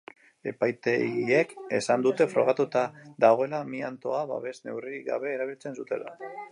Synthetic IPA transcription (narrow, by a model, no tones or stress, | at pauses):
e̞̰pajt̪e̞ɣie̞ke̞sand̪ut̪e̞fɾo̞̰ɣ̞at̪ut̪aðaɣ̞o̞e̞lamiant̪o̞aβa̰βe̞zne̞̰wriɡa̰βe̞ːɾaβilt͡se̞nsut̪e̞̰la̰